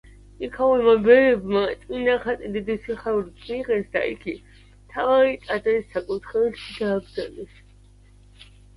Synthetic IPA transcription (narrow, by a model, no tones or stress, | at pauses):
ikʰawɛmabɛɾɛbmat̪ʼminaχat̪ʼid̪id̪isiχaulisʼmiqʼɛsd̪a̰ʔḭkʰi | t̪ʰavaɾit̪ʼad̪ɾisːakʼut̪ʰχɛɛʃid̪aːbzalɛs